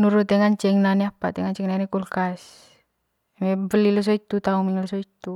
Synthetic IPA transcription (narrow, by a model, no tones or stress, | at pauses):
nuɾut̪ɛŋant͡ʃɛŋnanɛapa̰t̪ɛŋaɲt͡ʃɛŋnanekulkas | mɛbəlilɔs̬ɔit̪ut̪aumiŋlɔsɔit̪u